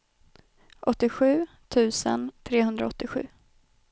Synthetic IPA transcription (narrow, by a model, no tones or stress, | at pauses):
ʔɔt̪ːɪɧʉ̟ː | t̪ʰʉ̟ːsə̰nt̪ʰɾeːhɵnd̪ɾaɔt̪ːɪɧʉ̟ː